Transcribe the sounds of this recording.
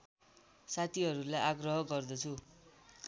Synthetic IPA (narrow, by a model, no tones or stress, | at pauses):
sat̪ʰiɦʌɾulajʔaɡrʌɦʌɡʌrd̪ʌt͡sʰu